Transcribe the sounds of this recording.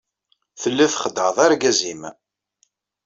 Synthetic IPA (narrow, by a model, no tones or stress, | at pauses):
θəlːæθχəd̪əɾðˤaɾɡæzim